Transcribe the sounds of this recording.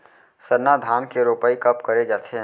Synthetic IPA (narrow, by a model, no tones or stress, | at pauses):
səɾnad̪ʱaːnkeɾoːpəikɐpkɐɾed͡ʒaːt̪ʰe